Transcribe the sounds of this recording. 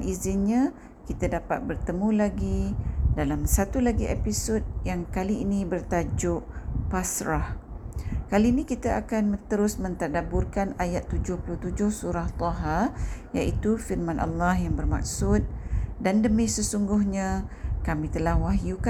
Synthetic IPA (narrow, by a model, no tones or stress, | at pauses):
nʔizɪnɲã | kit̪adapa̰t̪̚bərt̪əmũlaɡidalamsat̪ulaɡiʔepisod̚jaŋkaliːnĩbərt̪ad͡ʒʊʔpasɾah | kaliːnĩkit̪aʔakanmə̃nt̪əɾʊsmə̃nt̪adabʊrkanajat̪ːud͡ʒʊhpuluht̪ud͡ʒʊhsuɾaht̪ˤɔɦajaʔit̪ufirmãnʔa̰lːɑhjaŋbərma̰k̚sʊt̪̚dandəmĩsəsuŋɡʊhɲãkamĩt̪əlahwaɦjuka